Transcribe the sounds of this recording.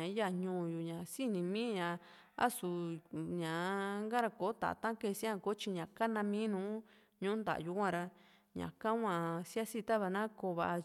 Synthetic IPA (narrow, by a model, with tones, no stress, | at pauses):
ã˨˦ja˧ɲũː˧˨ju˨ɲã˨si˦nĩ˧mĩ˦ɲã˨ | a̰˦su˨ɲã˨˦ŋɡa˦ɾa˧ko˨˦t̪a̰˨t̪ã˦ke˦˧˨sĩ˦ã˧ko˨˦t͡ʃi˧ɲã˨ka˦nã˧mĩ˦nũː˨˦ | ɲũ˦nd̪a̰˨ju˧kʷã˦ɾa˧ | ɲã̰˨ka˦ŋʷã˧˨sja˦si˦˧t̪a˦βa˧nã˦ko˧βa˧ʔ